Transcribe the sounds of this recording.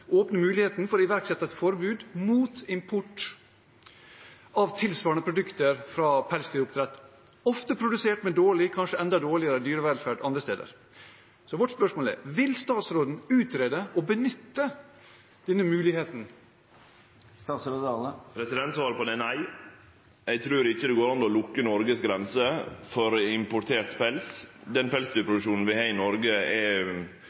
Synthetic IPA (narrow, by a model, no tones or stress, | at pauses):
oːpnəmʉːlɪheːt̪nfɔɾɪʋæɾksɛt̪ːət̪fɔɾbʉːd̪muːt̪ɪmpʰʊʈ | ɑʋt̪ʰɪlsʋɑːɾɳəpʰɾʊd̪ʉkt̪əɾfɾɑːpʰælsd̪yːɾʊpt̪ɾɛt̪ː | ɔft̪əpʰɾʊd̪ʉseːʈmɛd̪oːɭɪkʰɑnʂəɛnd̪ɑd̪oːɭɪəɾəd̪yːɾəʋɛlfæːɖʔɑnd̪ɾəst̪ḛːd̪ə̰ɾ | sɔʋɔʈspœʂmoːlɛ̰ːɾʋɪlst̪ɑːt̪sɾoːd̪n̩ʉːt̪ɾeːd̪əʔɔbənʏt̪ːə | d̪̥ɛnːəmʉːlɪheːt̪n̩ | sɾopʰɾɛsɪd̪ɛnt̪sʋɑːɾəpɔd̪ɛnæɪ | ɛɡ̚t̪ʰɾʉːɾɪçːəd̪ɛɡoːɾɑnɔlʊkːənɔɾɡəsɡɾɛnsəfɔɾɪmpʊʈ̪ʰeːɾt̪pɛlsd̪ɛnpʰɛlsd̪yːpʰɾʊd̪ʉʂuːnn̩ʋɪhɑːɪnɔɾɡəɛ